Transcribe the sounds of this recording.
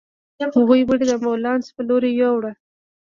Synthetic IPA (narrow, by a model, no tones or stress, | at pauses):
hʊɣujbəɽed̪əmawlɑnspəloɾejawɽa